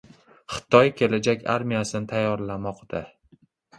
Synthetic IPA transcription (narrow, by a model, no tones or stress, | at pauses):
χɨ̥t̪ʰɒjkʲʰe̞lad͡ʒakʲa̰ɾmijasɪnɪt̪ʰajːɒɾlamɒqd̪̥a